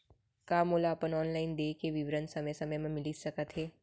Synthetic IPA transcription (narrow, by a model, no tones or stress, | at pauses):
kaːmoːlaɐpənɔːnlaːɪnd̪eːkeʋɪʋɾənsəməjsɐməjmãmɪlisəkət̪ɦeː